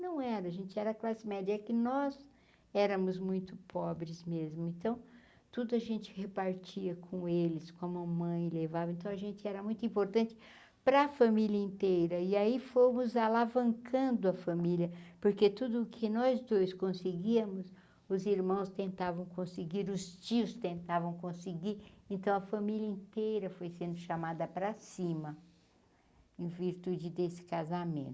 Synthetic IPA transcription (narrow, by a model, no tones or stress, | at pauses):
nɐ̃w̃ɛɾɐːʒẽnt͡ʃɪɛɾɐklasɪmɛd͡ʒɐɛkɪnɔz | ɛɾɐmʊzmũj̃t̪ʊpʰɔbɾɪzmezmʊẽnt̪ɐ̃w̃ | t̪ud̪ʊɐʒẽnt͡ʃɪ̥hepaɾt͡ʃiɐkʰõelɪskõmʊɐmɐ̃j̃levavɐẽnt̪ɐ̃w̃ɐʒẽnt͡ʃɪɛɾɐmũj̃t̪ʊĩpoɾt̪ɐ̃nt͡ʃɪ̥ | pɾɐfɐmiljɐĩnt̪ejɾɐɪaifomʊzalavɐ̃ŋkʰɐ̃nd̪ʊɐfɐmiljɐpoɾket̪ud̪ʊːkʰɪnɔzd̪ojskõsɪɡiɐmʊs | ʊziɾmɐ̃w̃st̪ẽnt̪avɐ̃w̃kõsɪɡiɾʊst͡ʃiʊst̪ẽnt̪avɐ̃w̃kõsɪɡiɾẽnt̪ɐ̃w̃ɐfɐmilʲɐĩnt̪ejɾɐfojsẽnd̪ʊʃamad̪ɐpɾɐsĩmɐ | ẽviɾt̪ud͡ʒɪd̪esɪ̥kazamḛ̃nt̪